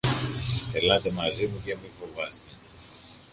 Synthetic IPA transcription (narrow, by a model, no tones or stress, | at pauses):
pelɐt̪e̞mɐzimukɐmiɱfo̞vɐst̪e